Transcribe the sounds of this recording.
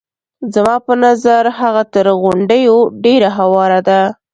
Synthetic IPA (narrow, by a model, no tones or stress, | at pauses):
zamɑpənazaɾhaɣat̪əɾɣʊɳɖəjoɖeɾaɦawɑɾad̪a